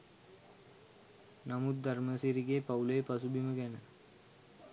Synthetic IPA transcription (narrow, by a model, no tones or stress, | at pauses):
nɐmud̪̚d̪ɐrməsiɾiɡeːpɐulepɐsubiməkænə